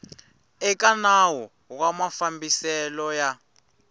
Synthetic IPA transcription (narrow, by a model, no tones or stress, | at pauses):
ɛk̬anawɔ | k̬wamafambisɛlɔja